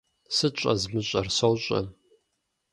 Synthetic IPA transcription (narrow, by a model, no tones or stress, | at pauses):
sɨt͡ʃʼɐzmɨɕʼɐrsowɕʼɐ̰